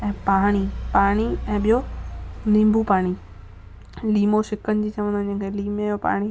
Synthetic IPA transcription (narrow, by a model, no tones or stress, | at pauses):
ɛ̃ːpaːɽ̃ipaːɽ̃iɛ̃ːɓijonĩːmbʱupaːɽ̃i | liːmoʃɪkənɪ̆d͡ʑiːt͡ɕɐʋə̃nd̪od͡ʑẽːkʰeliːmejopa̰ːɽ̃i